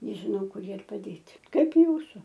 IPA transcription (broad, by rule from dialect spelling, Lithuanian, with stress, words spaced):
nʲɛʒʲɪˈnɐʊ ˈkʊr ˈjiɛ ɪr pɐˈdʲeːtʲɪ ˈkɐɪp ˈjuːsʊ